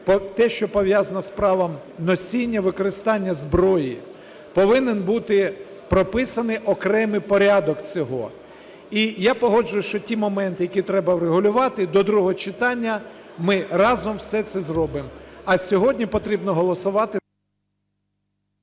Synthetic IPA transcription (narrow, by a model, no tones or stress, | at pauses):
pɔt̪ɛʃt͡ʃɔpɔʋʲjazɐnɐspɾɑʋɐm | nɔsʲinʲːɐʋɪkɔɾɪst̪ɑnʲːɐzbɾɔji | pɔʋɪnɪnbut̪ɪ | pɾɔpɪsɐnɪʔɔkɾɛmɪpɔɾʲɑd̪ɔkt͡sʲɔɦɔ | ijapɔɦɔd͡ʒʊjʊʃt͡ʃɔtʲimɔmɛnt̪ɪjɐkʲit̪ɾɛbɐwɾeɦʊlʲʊʋɑt̪ɪd̪ɔd̪ɾuɔɦt͡ʃɪt̪ɑnʲːɐmɪrɑzɔmwsɛt̪sɛzrɔbɪmɐsʲɔɦɔdʲnʲipɔt̪ɾʲibnɔɦɔlˠɔsʊʋɑt̪ɪ